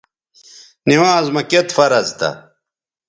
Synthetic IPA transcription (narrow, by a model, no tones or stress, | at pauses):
niwãːzmɐket̪fɐɾɐzt̪ɐ̰